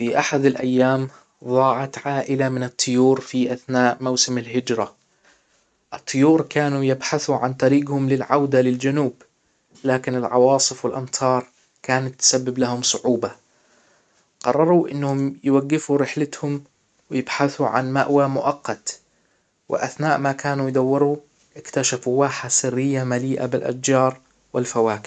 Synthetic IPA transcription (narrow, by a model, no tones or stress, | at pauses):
fiʔaħad̪alʔajːaːm | ðˤɑːʕɑt̪ʕaːʔɪlamɪnɨt̪ˤːʊjuːɾfiʔaθnaːʔmawsɪmalɦɪd͡ʒɾa | ʔɨt̪ˤːʊjuːɾkaːnujɪbħaθuʕant̪ˤɑɾiːɡhʊmlɪlʕawd̪alɪld͡ʒanuːb | laːkɪnɪlʕɑ̰wɑːsˤɨfwɪlʔɑmt̪ʰɑːɾˤ | kaːnat̪ːsabːɪblahʊmsˤʊʕuːba | qɑrˤːɑɾˤuʔɪnːhʊmjwaɡːɪfuɾɪħlɪt̪hʊm | wɪjɪbħaθuʕa̰nma̰ʔwamʊʔɑqːɑt̪ | wɪ̰ʔaθnaːʔmakaːnujd̪ˤawːɪɾu | ʔɪkt̪aʃafuwaːħasɪrːɪjːamaliːʔa̰bɪlʔa̰d͡ʒd͡ʒɑːɾˤ | wɪlfawaːkɪ̥